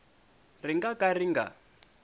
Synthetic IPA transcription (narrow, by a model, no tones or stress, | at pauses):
riŋɡakʼariŋɡa̰